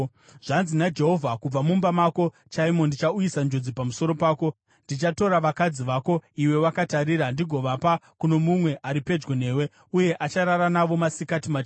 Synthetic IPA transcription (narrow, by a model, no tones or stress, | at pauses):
ʐ̥anzinad͡ʒe̞ɦo̞vʱakub͡vamumbamako̞ | t͡ʃaimo̞ndit͡ʃaujisand͡ʒo̞d͡zipamuso̞ɾo̞paːko̞ | ndit͡ʃato̞ɾaʋakad͡ziʋaːko̞iwe̞wakataɾiːɾandiɡʱo̞ʋapakuno̞mumwe̞ʔaɾipe̞d͡ʒɡone̞ːwe̞ | uje̞ʔat͡ʃaɾaɾanaʋo̞masikatimat͡ʃː